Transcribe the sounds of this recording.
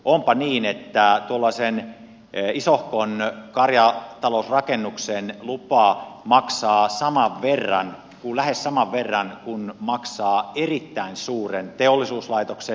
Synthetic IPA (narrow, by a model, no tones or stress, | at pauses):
ʔompɑniːnet̪ːæt̪uolːɑsen | isohkonkɑrjɑt̪ɑlousrɑkenːuksenlupɑːmɑksɑːsɑmɑʋʋerːɑ̰n | kulæhessɑmɑʋʋerːɑnkunmɑksɑːerit̪ːæinsuːrent̪eolːisuːslɑit̪okse